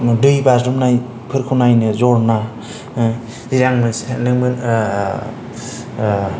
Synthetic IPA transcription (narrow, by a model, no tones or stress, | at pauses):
dɯjbazɾumnaj | pʰɯɾkʰuwnajnɯzɔɾna | ziɾaŋmɯsnɯŋmɯn